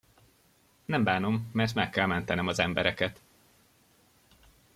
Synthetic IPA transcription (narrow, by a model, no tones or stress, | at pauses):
nɛmbaːno̞mːɛrt̪mɛkːɛlmɛnt̪ɛnɛmɒzɛmbɛɾɛkɛt̪